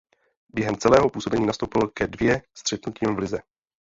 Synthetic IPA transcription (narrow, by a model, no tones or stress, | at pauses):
bjɛɦɛmt͡sɛlɛːɦo̞puːso̞bɛɲiːnast̪owpɪlkɛdvjɛst̪r̝̥ɛt̪nuciːmvlɪzɛ